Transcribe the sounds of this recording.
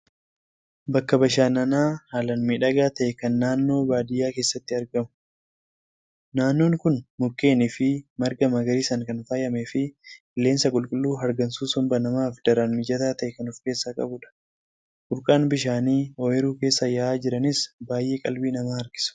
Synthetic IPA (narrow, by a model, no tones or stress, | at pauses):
bɐkːɐbɐʃaːnɐnaːhaːlɐnmiːᶑɐɡaːt̪ɐʔɛkɐnːaːnːo̞ːbaːd̪ɪjaːke̞ːsːɐt̪ːɪɐɾɡɐmʊ̥ | naːnːo̞ːŋkʊnmʊkːe̞ːnɪfɪmɐɾɡɐmɐɡɐɾiːsɐŋkɐnfaːjɐmefɪɪlːeːnsɐkʼʊlkʼʊlːuːɦɐɾɡɐnsuːsʊmbɐnɐmaːfd̪ɐɾɐnmɪd͡ʒɐt̪aːt̪ɐʔɛkɐnʊfke̞ːsːaːkʼɐ̰bʊᶑɐ̥ | kʊɾkʼaːnbɪʃaːniːoɛɾuːke̞ːsːɐjɐaːd͡ʒɪɾɐnɪsbaːjʔe̞ːkʼɐlbiːnɐmaːhɐɾɡɪ̥sʊ̥